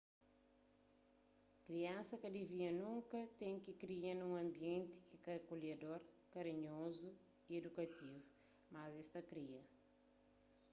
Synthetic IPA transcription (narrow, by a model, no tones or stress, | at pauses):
kɾiɐ̃sɐkɐd̪iviɐnũŋkɐt̪ɛ̃j̃kikɾiɐnũŋɐ̃mbiẽnt̪i̥kikɐkoljɐd̪oɾ | kɐɾiɲozu | ied̪ukɐt̪ivu | mɐzɛst̪ɐkɾiɐ